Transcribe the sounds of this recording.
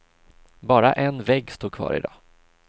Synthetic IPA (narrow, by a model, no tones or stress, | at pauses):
bɑːɾaʔɛnvɛɡːst̪uːkʰvɑ̰ːɾɪ̰d̪ɑː